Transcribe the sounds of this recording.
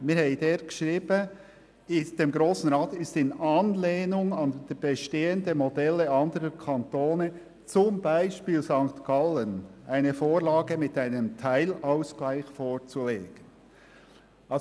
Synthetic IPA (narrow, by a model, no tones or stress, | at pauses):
mɪːɾhɛɪd̥eːɾɡ̥ə̥ʃɾiːb̥ə | ɪsd̥eːmɡɾoːsn̩ɾɑːt̪ɪstɪnɑnleːnʊŋɑnd̥b̥eʃteːəndəmodɛləɑndəɾəkʰɑnt̪oːnə | t͡sʊmbaɪʃpiːlzɑŋktkɑlənʔaɪnəfoːɾlɑːɡəmɪtaɪnəmtʰaɪlaʊsklaɪçfoːɾt͡suleːɡ̥ən | ʔɑ